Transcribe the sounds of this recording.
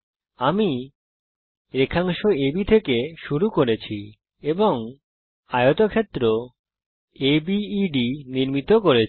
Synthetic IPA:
ami | ɾekʰaŋʃoebit̪ʰekeʃuɾukoɾet͡ɕʰi | eboŋ | ajot̪okʰet̪ːɾo | ebiːɖiniɾmit̪okoɾe

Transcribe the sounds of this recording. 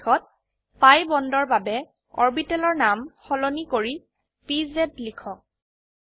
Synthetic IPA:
ɔt̚ | pajbɔndɔɹbabɛ | ɔ̰ɹbitɛlɔɹnamxɔlonikoɹi | pizetlikʰɔk̚

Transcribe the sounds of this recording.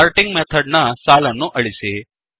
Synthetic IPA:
aɾʈiŋɡmɛt̪ʰəɽnasalãnũːʔəɭise

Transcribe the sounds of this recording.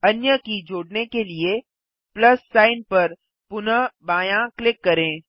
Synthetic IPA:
ɐnjəkid͡ʒoːɽnekelie | plɐsːaːɪnpɐɾ | pʊnəbaːjãklɪkːɐɾẽː

